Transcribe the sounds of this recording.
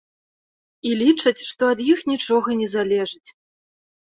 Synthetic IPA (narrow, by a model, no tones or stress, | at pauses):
ilʲit͡ʂɐt͡sʲʂt̪ɔɐd̪jixnʲit͡ʂɔɣɐnʲɛzalʲɛʐɨt͡sʲ